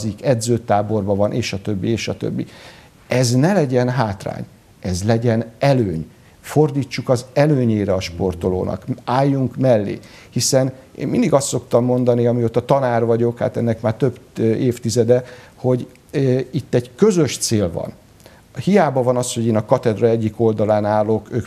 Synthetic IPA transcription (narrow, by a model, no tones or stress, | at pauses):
zikɛd̪zøːt̪aːbo̞rbɒvɒnʔḛːʃɒt̪ø̞bːieːʃɒt̪ø̰bːḭ | ɛznɛlɛɟɛnɦaːt̪ra̰ːɲ | ɛzlɛɟɛnɛløːɲ | fo̞rd̪iːt͡ʃːukɒzɛløːɲeːɾɛɒʃpo̞rt̪olo̰ːnɒ̰kaːjːuŋkmɛlːḛː | hisɛnḛːmmind̪iɡɒst̪so̞kt̪ɒmːo̞nd̪ɒniɒmiot̪ːɒt̪ɒnaːrvɒɟo̞kha̰ːt̪ɛnːɛkmaːrt̪øbeːft̪izɛd̪ɛho̞ɟ | it̪ːɛɟkø̞zø̞ʃt̪seːlvɒ̰n | hijaːbɒvɒnɒsho̞ɟeːnɒkɒt̪ɛd̪rɒɛɟːiko̞ld̪ɒlaːnaːlːo̞køːk